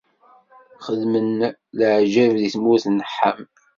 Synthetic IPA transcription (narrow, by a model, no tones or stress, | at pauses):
χəðmənləʕʒævðiθmuθnəħːam